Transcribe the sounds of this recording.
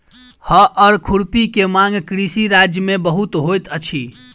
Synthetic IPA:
həʔəɾkʰuɽpikemãŋɡkɾisiɾad͡ʒjəmebəɦut̪ɦojt̪ət͡ʃʰi

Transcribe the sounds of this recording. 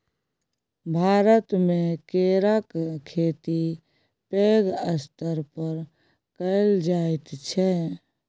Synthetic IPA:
bʱaːɾət̪mẽkeɾəkkʰeːt̪i | peːɡəst̪əɾpəɾ | kəɪld͡ʒaːet̪t͡ʃʰɛ

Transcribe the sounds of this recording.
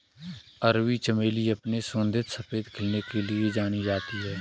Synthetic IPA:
əɾwit͡ʃəmeːliɐpnesõnd̪ʱɪt̪səfeːd̪kʰɪlnekelied͡ʒaːnid͡ʒaːt̪iɦɛː

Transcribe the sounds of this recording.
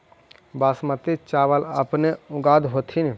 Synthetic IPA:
baːsmət̪it͡ʃaːʋəlɐ̰pneʊɡaːd̪ɦoːt̪ʰini

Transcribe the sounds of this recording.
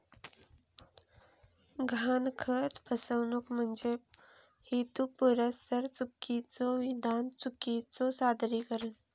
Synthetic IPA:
ɡʱankʰət̪bʰʱəsəʋnukm̤ənd͡ʒe | hit̪upuɾəsəɾt͡sukːit͡soʋid̪ant͡sukit͡sosad̪ʱɾikəɾən

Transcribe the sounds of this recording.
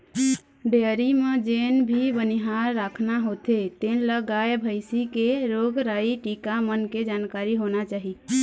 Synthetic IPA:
beɾimed͡ʒenbʱibəniɦaɾːakʰnaɦot̪et̪enləɡaebʱəjsikeɾoɡɾaiʈikamənked͡ʒankaɾiɦonat͡ʃaɦi

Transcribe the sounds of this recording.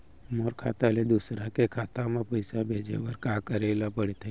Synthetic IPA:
moːɾkʰaːt̪aled̪usɾakekʰaːt̪ãmẽpəɪsabʱeːd͡ʒḛwəɾkaːkəɾeːlapəɽ̤et̪ʰe

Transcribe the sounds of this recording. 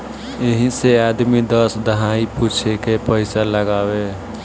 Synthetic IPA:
ɪɦĩseaːd̪mid̪əsd̪əɦaːipuːt͡ʃʰekepəɪsaləɡaːwe

